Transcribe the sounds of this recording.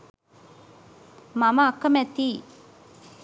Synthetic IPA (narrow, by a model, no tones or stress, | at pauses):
maməːkːəmæt̪iː